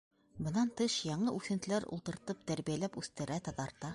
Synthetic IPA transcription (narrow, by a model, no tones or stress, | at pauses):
bɤ̆nɑnt̪ɤʃjɑɴɤʔʉθɘ̆nt̪ɘ̆læɾṵlˠt̪ɤ̆ɾt̪ɤp̚t̪æɾβijælæpʉθt̪ɘ̆ɾæt̪ɑt̪ɑɾt̪ɑ